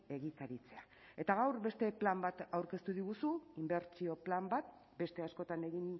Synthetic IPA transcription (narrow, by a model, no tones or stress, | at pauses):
e̞ɣikaɾit͡se̞a | e̞t̪aɣ̞awɾbe̞st̪e̞plambat̪awɾke̞st̪uðiɣusuimbe̞ɾt͡sio̞plambat̪̚ | be̞st̪e̞asko̞t̪ane̞ɣin